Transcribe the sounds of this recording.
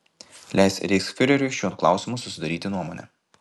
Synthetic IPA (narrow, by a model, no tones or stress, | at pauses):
lʲæˑɪsɾʲɪsfʲɪɾʲɛɾʲʊʃʲuɔnklˠɑ̰ˑʊsʲɪmʊsʊsʲɪd̪ɐɾʲiːt̪ʲɪnuɔmonʲɛ̰